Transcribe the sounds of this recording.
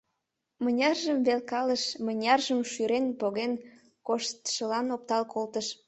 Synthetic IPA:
mənʲɑrʒəmβelkɑləʃmənʲɑrʒəmʃyɾenpoɣen | koʃt̪ʃəlɑnop̚t̪ɑlkolt̪əʃ

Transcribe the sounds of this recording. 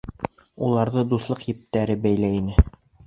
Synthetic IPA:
ulˠɑɾðɤd̪uslˠɤqjɘ̆p̚t̪æɾɘbæjlæinɘ

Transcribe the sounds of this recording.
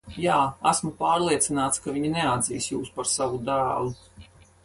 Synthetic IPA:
jaːæsmupaːɾlˠiɛt̪sinaːt̪skaviɲinɛad̪zḭːsjuːspaɾsavud̪æːlˠu

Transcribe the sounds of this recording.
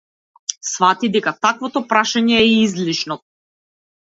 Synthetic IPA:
svat̪id̪ɛkat̪akvɔt̪ɔpɾaʃaɲɛːizliʃnɔ

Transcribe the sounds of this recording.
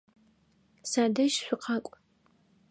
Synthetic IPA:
saːdɐʃɕʷʊqʰɑkʷʼ

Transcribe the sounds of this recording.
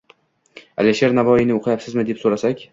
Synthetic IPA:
alʲiʃe̞ɾnavɒinɪoqʰɨjapsɪzmɪd̪e̞psoɾasakʲ

